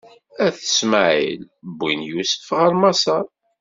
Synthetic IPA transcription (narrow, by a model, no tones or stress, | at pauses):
æθə̥sməʕḭl | bːinjusə̥fʁəɾmɑsɑɾˤ